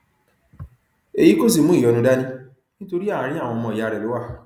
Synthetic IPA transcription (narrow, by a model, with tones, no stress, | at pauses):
e˨ji˨˦ko˦˨s̬i˦˨mũ˦i˦˨jɔ˨˧nũ˧da˦nĩ˦ | nĩ˦to˧ɾi˦a˦˨ã˨˦ɾi˦a˦˨w̃ɔ̃˧mɔ̃˧˨a˨˧ɾɛ˨lo˨˦wa˦˨